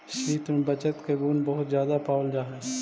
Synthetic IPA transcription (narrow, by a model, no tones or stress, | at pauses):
ʃiːt̪mẽːbət͡ʃət̪keːɡuːnbəɦʊt̪zjaːd̪aːpaːld͡ʒaːɦɛː